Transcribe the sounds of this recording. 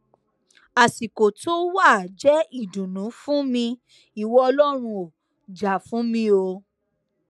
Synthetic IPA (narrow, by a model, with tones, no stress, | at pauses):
a˨si˨ko˨to˦wa˦˨d͡ʒɛ˨˦i˦˨dũ˨nũ˨˦fũ˦mĩ˧ | i˨wɔ˦ɔ˧lɔ˦ɾ̃ũ˧o˨ | d͡ʒa˨fũ˨˦mĩ˧o˧